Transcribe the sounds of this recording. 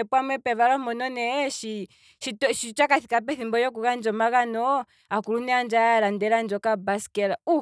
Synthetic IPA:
ɛpwamwɛpɛβalɔmɔnɔnɛʃi | ʃitɔʃit͡ʃakaθikap̬ɛθimbɔjɔk̬uɣand͡ʒɔmaɣanɔ | akuɾunɛand͡ʒaɾandɛɾand͡ʒɔkabasi̥kɛɾau

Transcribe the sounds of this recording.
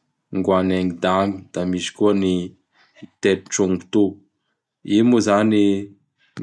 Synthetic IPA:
ŋɡwaneŋid̪amid̪̥amisi̥kuəni | t̪eɾiʈ͡ʂuŋɡu̥t̪u | imuzani

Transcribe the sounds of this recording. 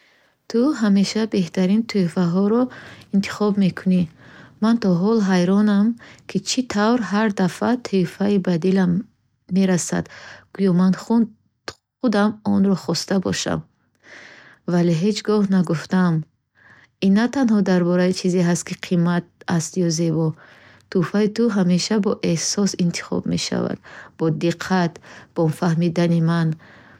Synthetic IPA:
t̪ʰuɦame̞ʃabe̞ht̪aɾint̪ʰujfaɦɔɾɔint̪ʰi̥χɔbme̞kʰunimant̪ʰɔɦɔlɦajɾɔnamkʰit͡ʃʰit̪ʰavɾɦaɾd̪afat̪ʰuifaibad̪ilamː | e̞ɾasa̰d̪ɡ̥ujɔmanχu | χud̪amɔnɾɔχɔst̪abɔ̰ʃa̰m | valeɦe̞t͡ʃɡɔhnaɡuft̪am | inːat̪anhɔd̪aɾbɔɾait͡ʃʰizeɦast̪̚kʰiqʰimat̪̚ast̪jɔze̞bɔ | t̪ʰufait̪uɦameʃabɔʔe̞hsɔsint̪ʰi̥χɔ̰bme̞̰ʃa̰va̰d̪̥bɔd̪iqʰːat̪b̥ɔmfahmid̪animan

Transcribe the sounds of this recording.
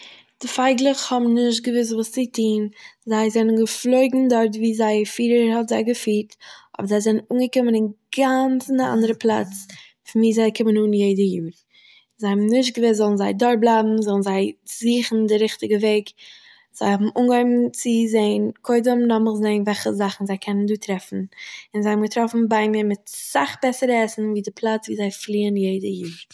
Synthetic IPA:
d̥ɪfaɪɡlˠəχhɔbm̩nɪʃt̚ɡəvɪs̬vuːst͡sɪtʰiːnzaɪzɛnənɡəflˠoɪɡŋ̩dɔɾtviːzaɪfiːɾəɾhɔtzaɪɡəfiːtʔɔ̰bəzaɪzɛnnuːnɡəkɪmənɪnɡant͡sɪndɪʔa̰ndəɾəplˠa̰t͡s | fɪnviːzaɪkʰɪmənuːnjeɪdəjuːɾ | zaɪhɔmnɪʃt̚ɡəvɪszɔlˠn̩zaɪdɔɾblˠaɪbm̩zɔlˠn̩zaɪziːχn̩dɪɾɪχtɪɡəveɪk | z̥aɪhɔbm̩ʔuːnɡɔɪbm̩t͡sɪzeɪənkʰoɪdəmnɔməlˠzeɪnvɛlˠχəzaχn̩zaɪkʰɛnənduːtɾɛfn̩ɪnzaɪhmɡətɾɔfn̩baɪmiːɾmɪtsaχbɛsəɾəɛsn̩viːdɪpʰlˠat͡sviːzaɪflˠiːənjeɪdəjuːɾ

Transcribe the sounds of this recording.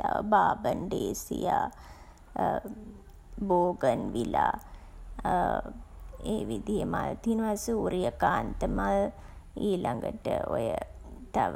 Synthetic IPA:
abaːbənd̪eːsijaː | boːɡənʋilaː | eːʋid̪ijəmalt̪inʋasuuːɾijəkaːnt̪əmal | iːlʔaŋɡəʈəojət̪aʋ

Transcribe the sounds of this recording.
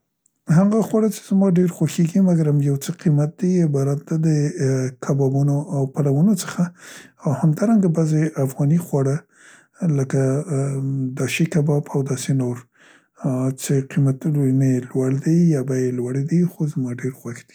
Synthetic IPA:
ɦaɡaxwaɽat͡ʃe̥zmɑɖeɾxwaxeɡimaɡaɾamjawt͡səqimat̪̚d̪iɪbɑɾat̪̚d̪ad̪əkʰabɑbunoʔawpalawənot͡sə̥xaːwhamd̪ɑɾaŋɡabazeʔafɣɑnixwaɽa | ləka | d̪ɑʃikabɑbawd̪ɑsenoɾ | t͡seqimat̪lnelwaɽd̪ejjɑbajelwaɽed̪ejxozmɑɖeɾxwaxd̪̥i̥

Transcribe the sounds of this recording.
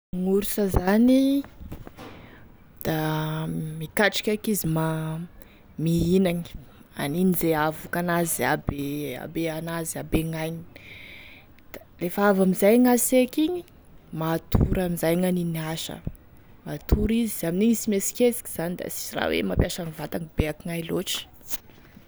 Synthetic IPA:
ŋuɾusəzani | d̪̥a | mikaʈ͡ʂi̥kʲakizima | miinaŋi̥ | a̰ninizeavukanazia̰bea̰beanaziabeŋajɲi̥ | d̪̥alefaavamizajŋasekiɲi | mat̪ʰuɾamizajŋaniniaʃə̰ | mat̪ʰuɾiziaminiɲisimesi̥kʲet͡si̥ki̥z̥anid̪a̰si̥sira̰wḛmapjaʃaŋivat̪aŋib̥eakiŋajloʈ͡ʂə̥

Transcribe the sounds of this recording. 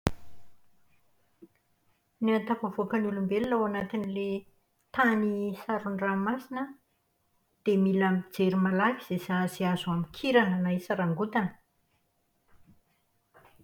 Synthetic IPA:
niant̪apavokənulumbelilawanat̪inile | t̪anisaɾuɳramasinə | d̪̥emilamid͡zeɾimalakiz̥esaziazuamikʰiɾananaisaɾaŋɡut̪anə̥

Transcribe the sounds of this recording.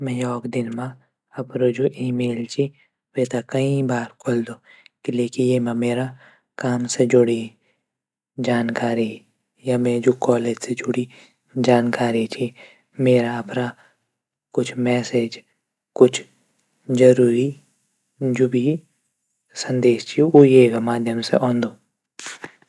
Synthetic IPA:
mɛ̃jɔːkd̪ɪnmã | ɐpɾod͡ʒoʔiːmeːlt͡ʃʰi | ʋeːt̪akɐĩbaːɾkʰold̪oːkɪleːkijemãmeːɾa | kaːmsed͡ʒʊɽi | d͡ʒaːnkaːɾi | jamɛ̃d͡ʒoːkɔːleːd͡ʒsed͡ʒʊɽi | d͡ʒaːnkaːɾit͡ʃʰi | meːɾapɾa | kʊt͡ʃʰmɛːsed͡ʒ | kʊt͡ʃʰ | d͡ʒɐɾuːɾi | d͡ʒoːbʱi | sɐ̃nd̪eːʃt͡ʃʰiojeːɡamaːd̪ʱjəmsḛʔɔ̃ːnd̪oː

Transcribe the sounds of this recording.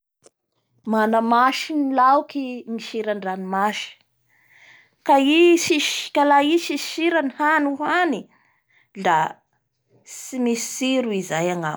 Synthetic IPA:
manamaʃinilawkimiʃiɾaɳɖ͡ʐanimaʃi̥ | kaisiʃkalaiʃiʃiɾanihanuɦani | d̪a | simisi̥siɾuizajaŋa̰m

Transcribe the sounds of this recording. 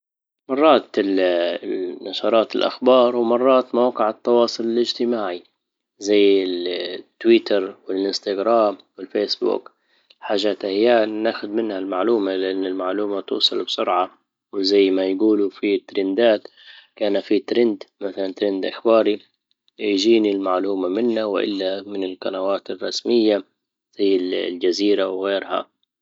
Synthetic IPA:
mɑrˤːɑːt̪ | nɑʃɑɾˤɑːt̪ɪlʔa̰xbɑːɾˤwmɑrˤːɑːt̪mawqɪʕɪt̪ːɑwɑːsˤʊlɪlʔɪd͡ʒt̪ɪmaːʕi | zajːɪt̪ːwiːt̪ɑɾˤwɪlʔɪnst̪aɡɾaːmwɪlfeːsbṵk | ħaːʒaːt̪ʔahjːaːnnaːxʊd̪mɪnhalmaʕluːmalɪʔanːɪlmaʕluːmat̪ṵːsˤɑlbsʊɾʕa | wɪzajːmajɡuːlufit̪ːɾɪnd̪aːt̪ | kaːnafit̪ɾɪnd̪maθalant̪ɾɪnd̪ʔɪxbɑːɾi | jd͡ʒiːnilmaʕluːmamɪnːawʔɪ̰lːamɪnɪlqanawaːt̪ɪrˤːɑ̰smɪjːa | z̥ajːɪlld͡ʒaziːɾawɣeːɾha̰

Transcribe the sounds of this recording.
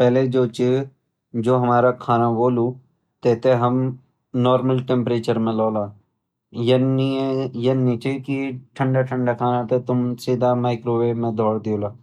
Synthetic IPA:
pɛɦːled͡ʒoːt͡ʃe | d͡ʒoːɦɐmaːɾakʰaːnaboːlu | t̪ɛːt̪eɦɐm | nɔːɾməlʈẽmpɾeːt͡ʃəɾmẽlɔːlaː | jeijənːit͡ʃekiʈʰə̃ɳɖaʈʰə̃ɳɖakʰaːnat̪et̪ʊmsid̪ʱamaːɪkɾoːʋemẽd̪ʱɔːɽd̪ijoːlaː

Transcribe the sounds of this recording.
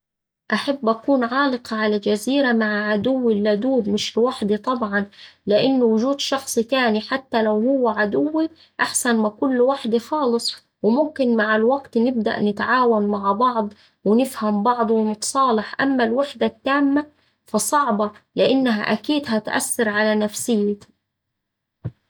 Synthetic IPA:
ʔaħabːʔakuːnʕɑːlɨqɑʕalad͡ʒaziːɾamaʕaʕad̪ʊwːilːad̪uːb̪mɪʃlwaħd̪it̪ˤɑbʕɑnlɪʔɪnːwʊʒuːd̪ʃɑxsˤit̪aːniħat̪ːalawhʊwːaʕad̪ʊwːi | ʔaħsanmakʊlːwaħd̪ixɑːlɨsˤ | wɪmʊmkɪnmaʕalwaɡt̪nɪb̚d̪a̰ʔnɪt̪ʕaːwanmaʕbɑʕd̪ˤ | wɪnɪfhambɑʕd̪ˤwɪnɪt̪sˤɑːlɪħʔa̰mːalwaħd̪at̪ːaːmːa | fɑsˤɑʕbɑlɪʔɪnːɦaʔakiːd̪hat̪ʔa̰sːɑɾʕalanafsɪjːɪ

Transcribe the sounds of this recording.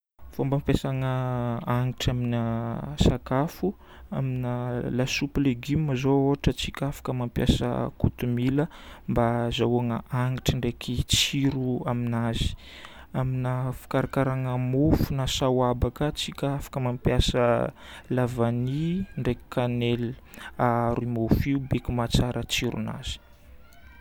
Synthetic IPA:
fombampesaŋəaŋiʈ͡ʂaminasakafu | aminəlasupileɡimːəzooɦaʈ͡ʂət͡sikʲafḁkəmampja̰sə̰kut̪umilə | mbazawaŋə̰aŋiʈ͡ʂiɳɖ͡ʐekʰit͡siɾuaminazi̥ | aminəfi̥kaɾakaɾaŋəmufunasawabakət͡sikʲafḁkəmampjasə | lavaniɳɖ͡ʐeki̥kʰanelaɾimofiubekimat͡saɾət͡siɾṵna̰z̥i̥

